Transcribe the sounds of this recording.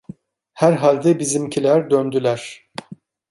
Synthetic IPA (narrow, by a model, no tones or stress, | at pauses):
hæɾɦalʲd̪ɛbizimcʰilʲæɾd̪ønd̪ylʲæɾ̥